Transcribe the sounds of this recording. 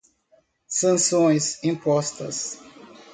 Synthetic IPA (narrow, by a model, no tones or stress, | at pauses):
sɐ̃sõj̃sĩpɔst̪ɐs